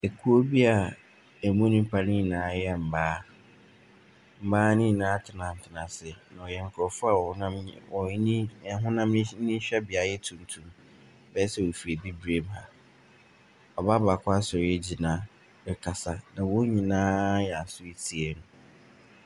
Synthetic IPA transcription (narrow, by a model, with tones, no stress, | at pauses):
e˨kʰu˦o˦bi˦a˨ | ɛ˨mũ˦nĩ˦m̩˦pʰa˦nĩ˦˨nãː˨˦jɛ˦m̩˨baː˦ | m̩˨baː˦nɪ̃˦˨nãː˨˦tʰɪ˨nã˨n̩˨tʰɪ˨nã˨sɪ˨nã˨ɔ˨jɛ˨ŋ̩˨kʰɔ˨fʊ˦a˦˨˦nã˦mɔ˨˦nĩ˦˨a˨ɦʊ̃˦nã˦mñ˦n̩˦nĩ˦ɕᶣɛ˦bɪ˨a˨jɛ˦tʰũ˨n˨tʰũ˦˨m | bɛ˦sɛ˦˨wo˨fi˨e˨bi˦bɾe˦ba˨ | ɔ˨ba˦ba˨kʰʷa˦sɔ˨ɾɛ˦d͡ʑi˨nã˦ | ɛ˨kʰa˨sa˨nã˨wʊ˦ɲĩ˨nãː˦jɛ˨a˨sʊ˦e˦tʰi˨e˨nʊ̃˨